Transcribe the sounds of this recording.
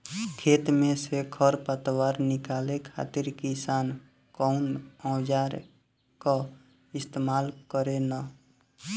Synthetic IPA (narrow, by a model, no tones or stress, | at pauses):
kʰet̪mẽsekʰəɾpət̪waɾnɪkalekʰa̰t̪iɾkisan | kɔʊnə̃d͡ʒaɾ | ka | ɪst̪emalkəɾena